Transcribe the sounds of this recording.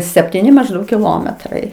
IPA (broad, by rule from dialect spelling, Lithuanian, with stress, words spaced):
sʲɛpʲtʲɪˈnʲɪ mɐʒˈdɐʊk kʲɪˈlˠoːmʲɛtrɐɪ